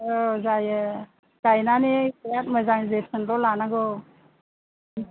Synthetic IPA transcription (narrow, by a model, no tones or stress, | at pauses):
ɔzajɯ | ɡ̥ajnanekjat̚məzaŋzetʰɯnɾɔlanaɡɔ